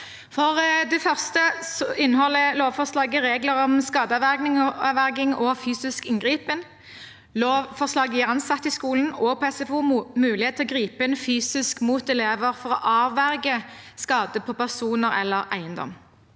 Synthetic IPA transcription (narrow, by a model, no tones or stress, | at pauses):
fɔʁd̪ɛfœʁst̪əsɔʔɪnːəhɔlːəloːʋfɔʁslɑːɡəʁeːɡləɾɔmskɑːd̪əɑʋæɡnɪŋɑʋæʁɡɪŋɔfyːsɪskɪŋɡʁiːpən | loːʋfɔʁslɑːɡəɪʁɑnsɑt̪ːɪskuːln̩oːɡ̚pʰɛsɛfuːmʉːlɪhet̪ʰlɔɡʁiːpəɛnfyːsɪskmuːt̪ɛleːʋəʁfɔʁɔʔɑːʋæʁɡəskɑːd̪əpʰɔpæʁsuːnəʁɛ̰lːəʁæ̰ɪənd̪ɔ̰m